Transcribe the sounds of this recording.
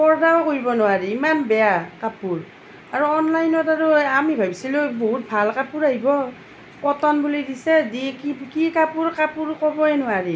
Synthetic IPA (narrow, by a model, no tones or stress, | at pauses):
pɔɹdawkoɹibɔnʊwaɹiːmanbɛjakapuɹ | aɹuɔnlajnɔtaɹuamibʱabisiluboɦut̚bʱalkapuɹaɦibɔ | pɔtɔnbulidisɛdikikikapuɹkapuɹkɔbɔɛnʊwaɹi